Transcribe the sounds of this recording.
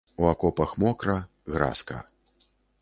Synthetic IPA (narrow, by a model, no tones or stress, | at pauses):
uakɔpɐxmɔkɾɐ | ɣɾa̰skɐ̰